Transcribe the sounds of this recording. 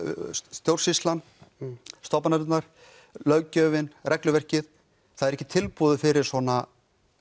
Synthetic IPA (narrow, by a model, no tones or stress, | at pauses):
t̪jowɾ̥rsist̪lan | st̪ɔpmanaɾʏt̪naɾ̥ | lœɥcœːvɪnrɛklʏvɛr̥cɪθ | θaðɾɛhcɪt̪ʰɪlpuːðʏfɪɾɪɾ̥sɔːna